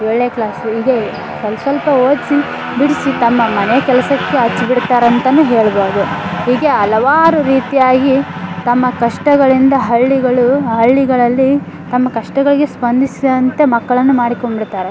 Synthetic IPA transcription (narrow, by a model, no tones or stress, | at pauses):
oɭːeːklaːsuiːɡe | kɛlsɐlpɐoːd̪si | biɽisit̪ɐmːɐmɐnɛjɐkɛlɐsɐkːe̞ɐt͡ʃːubiɽt̪aːɾeɐnt̪ɐnːuːɦeːɭboːɾd̪uɦiːɡe̞ɐlɐʋaːɾuɾiːt̪ijaːɡi | t̪ɐmːɐkɐʂʈɐɡɐɭind̪ɐɦɐɭːiɡɐɭuɦɐɭːiɡɐɭɐlːi | t̪ɐmːɐkɐʂʈɐɡɐɭiɡe̞spɐnd̪isid̪ɐnt̪e̞mɐkːɐɭɐnːumaːɽiko̞ɳbiɽt̪aːɾe